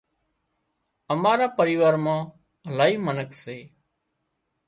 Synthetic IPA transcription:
əmaːɾaːpəɾiːʋaːɾmãː | ɦəlaːɦiːmənəkʰseː

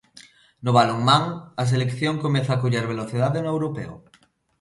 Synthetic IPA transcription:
nʊβaloŋmaŋɐs̬elekθjoŋkomeθaːkuʎeɾβ̞eloθiðaðenoewɾopḛo̰

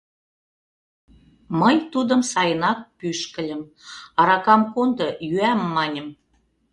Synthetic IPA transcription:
məjt̪ud̪ə̆msɑjənɑk̚pyʃkə̆lʲə̆m | ɑɾɑkɑmkond̪ɤ̆jyæmːɑnʲə̆m

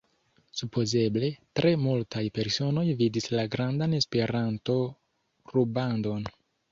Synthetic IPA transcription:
supo̞ze̞ble̞tɾʔe̞multajpe̞ɾso̞no̞jvidislaɡɾandane̞spe̞ɾanto̞ | ɾubando̞n

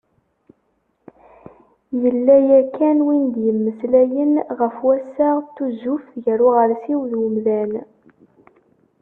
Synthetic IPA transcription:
jəlːæjækːænwind̪jəmːəslæjənʁəfwæsːaʁt̪ːuzufʝəɾʊʁəɾsiwðwəmðæn

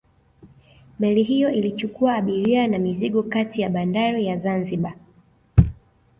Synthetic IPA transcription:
mɛliɦijɔilit͡ʃukuaːɓiɾianamiziɠɔkatijaɓandaɾijazanziɓa

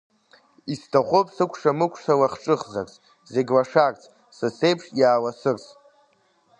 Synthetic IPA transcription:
istʰaχʷopʼsɨkʷʰʂamɨkʷʰʂalaχʈ͡ʂʼɨχzart͡sʼ | ze̞ɡʲlaʂarʼt͡sʰʼ | sɨse̞jpʰʂjaːwasɨrt͡sʼ

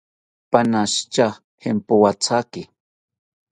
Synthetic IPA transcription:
panaʃt͡ʃa | hempowat͡sʰakɪ

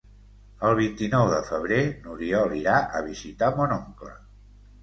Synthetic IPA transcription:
əlˠβ̞int̪inɔwðəfəβ̞ɾenuɾiɔliɾaʔəβizit̪amonoŋklə̰

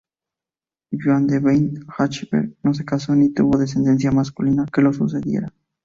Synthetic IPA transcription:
d͡ʒwand̪eβejnxat͡ʃibḛɾno̞s̬e̞kaso̞nit̪ṵβo̞ðes̬end̪e̞ns̬jamaskulinakelo̞s̬us̬eðje̞̰ɾa

